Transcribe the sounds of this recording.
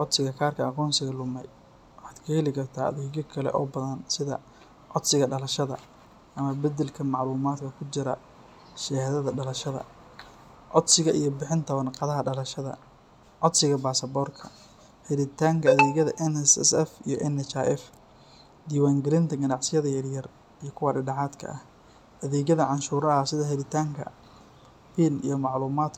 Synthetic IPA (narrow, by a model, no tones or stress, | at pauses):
ʕɔd̪sɪɣɐkʰaːrkʰɐːqɔːnsɪɣɐlʊmɛj | wɑħɑːd̪kʰɐhɛlɪkʰɐrt̪ʰaːɐ̰ðɛːɣɐkʰɐlɛ̰ʔɔ̰ːbɐðɐnsɪðɐ̰ | ʕɔd̪sɪɣɐɖɐlɐʃɐðɐ̰ | ʔɐmɐbɐd̪ɛlkʰɐmɑʕluːmaːd̪kʰɐkʰʊt͡ʃɪɾɐ | ʃɛhðɐðɐɖɐlɐʃɐðɐ̰ | ʕɔd̪sɪɣɐʔijɞbɪħɪnt̪ʰɐwɐnqɑðɐɦɐɖɐlɐʃɐðɐ̰ | ʕɔd̪sɪɣɐbaːsɐbɔːrkʰɐ | hɛɾɪt̪ʰaːŋkʰɐɐðɛːɣɐðɐʔɛnɛsɛ̰sɛfijɔʔɛnɛt͡ʃaʔɛf | d̪iːwaːŋɡɐɾɪnt̪ʰɐɡɐnɑʕsɪjɐðɐjɐrjɐr | ijɞkʰʊwɐɖɪɖɐʕaːd̪kʰɐ̰ʔɐh | ʔɐðɛːɡɐðɐʕɑnʃuːɾɐɐsɪðɐɦɛɾɪt̪ʰaːŋkʰɐ̰ | fiːnḭjɞmɑʕluːmaːd̪